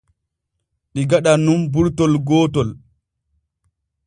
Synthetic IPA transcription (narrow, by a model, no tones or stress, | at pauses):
ɗiɡaɗanumbuɾtɔlɡɔːtɔl